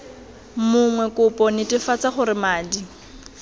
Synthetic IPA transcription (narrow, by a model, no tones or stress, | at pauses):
mʊŋwɛkʼʊpʼɔnɪtʼɪfat͡saχʊɾɪmaːdi